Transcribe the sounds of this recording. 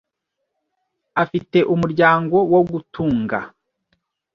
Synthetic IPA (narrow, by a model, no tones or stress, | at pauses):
afite̞ʔumuɾɟaːŋɡo̞wo̞ɡutʰuːŋɡa̰